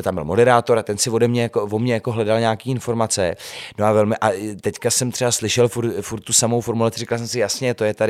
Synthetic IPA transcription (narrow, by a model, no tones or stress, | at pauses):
t̪ambɪ̰lmo̞dɛɾaːt̪o̞ɾat̪ɛnsɪvo̞dɛmɲɛjakovomɲɛjakoɦlɛdalɲaːkiːɪnfo̞ɾmat͡sɛno̞avɛlmɪʔat̪ɛckasɛmt̪r̥ɛbaslɪʃɛlfuɾt̪fuɾt̪ːusamowfo̞ɾmulat͡sɪrɛkls̬ɛmsɪjasɲɛt̪o̞jɛt̪adɪ